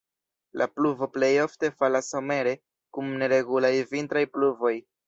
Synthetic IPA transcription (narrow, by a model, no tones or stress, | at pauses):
lʔapluvo̞ple̞jo̞fte̞falaso̞me̞ɾe̞ | kumne̞ɾe̞ɡulajvintɾajpluvo̞j